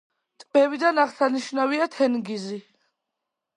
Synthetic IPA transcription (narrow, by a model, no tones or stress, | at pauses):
t̪ʼmɛvid̪anaʁsaniʃnaviat̪ʰɛnɡizi